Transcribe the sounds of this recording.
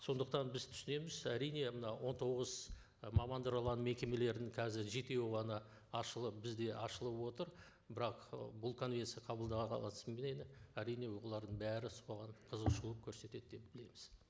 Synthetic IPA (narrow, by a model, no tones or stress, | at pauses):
so̞nd̪əq̚t̪ɑnbɪzt̪ʰʏ̥sɪne̞mɪzæɾijne̞mənɑwʔo̞nt̪ʰo̞ʁəz | mɑmɑnd̪əɾɑlˠɑnme̞kʲe̞me̞le̞ɾd̪ɪŋkʰɑzɪɾʒe̞t̪e̞wʁɑnɑ | ɑʃəlˠəp̚bɪzd̪e̞ʔɑʃəlˠəpwo̞t̪əɾ | bɪɾɑqbʊlˠkʰo̞nvʲe̞nt̪sɨjɑqʰɑbəlˠd̪ɑʁɑqʰɑ̰lˠɑsəmbenenɪæɾijne̞woolˠɑɾd̪əɴbæɾɪsoʁɑnqʰəzəqʃuəp̚kʲʰɵɾse̞t̪e̞d̪̚d̪e̞p̚bɪle̞mɪz̥